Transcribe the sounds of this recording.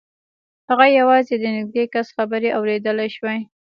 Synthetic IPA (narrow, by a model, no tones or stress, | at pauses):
haɣajawɑzed̪ənɪɡ̚d̪ekasxabəɾeʔawɾed̪əlajʃwej